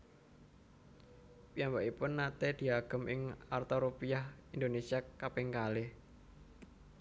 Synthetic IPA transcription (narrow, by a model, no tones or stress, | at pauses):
piambaʔipʊnːat̪ed̪̥i̤aɡ̥ə̤mʔɪŋart̪oɾupijahind̪onesiakapɪŋkalɪ